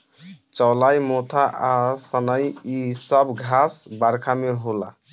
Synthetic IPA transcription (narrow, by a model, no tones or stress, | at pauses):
t͡ʃɔwlajmot̪ʰaʔasənəjisʌbɡʱasbaɾkʰameɦola̰